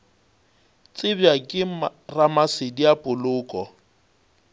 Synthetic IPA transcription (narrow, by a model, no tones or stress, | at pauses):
t͡sʼɪbjakʼɪaramasɪdiapʼʊlʊːkʼɔ